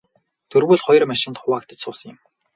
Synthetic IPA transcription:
t̪ʰɵrwuːɮχɔj̆rmæʃɪ̆nt̪χʊwaːk̚t̪ə̥̆t͡ɕsʊːs̆ŋɪ̆m

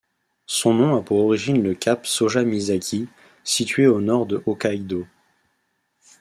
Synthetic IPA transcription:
sɔ̃nɔ̃apuʁɔʁiʒinləkʲapsoʒamizakʲʰi | sit̪ɥeonɔʁd̪əʔɔkaid̪o

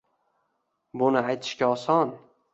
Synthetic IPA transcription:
bʊnɪajt̪ʰɪ̥ʃkʲaɒsɒn

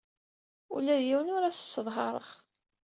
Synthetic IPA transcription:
ṵlæðjiwənʊɾæsə̥sːəðˤɦɑɾˤə̰ʁ

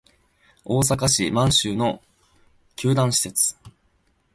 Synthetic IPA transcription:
o̞ːs̬akaɕimãɰ̃ɕɨːno̞ | kʲʰɨːd̪ãɕi̥se̞t͡sɨ̥

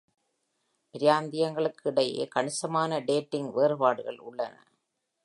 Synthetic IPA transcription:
pɪɾɪjaːnd̪ɪjɐŋɡɐɭɯkːɪɽɐjḛːkɐɳɪsɐmaːnɐɖeːʈːɪŋɡʋeːɾɯpaːɽɯɣɐɭʊɭːɐnɐ̰

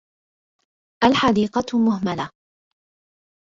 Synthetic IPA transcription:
ʔalħad̪iːqɑmʊɦmala

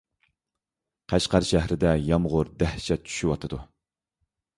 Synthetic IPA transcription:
qʰæʃqæɾʃæhɾɪd̪ɛjɑmʁʊɾd̪æhʃɛt͡ʃʰy̥ʃywɑt̪ʰɨd̪u

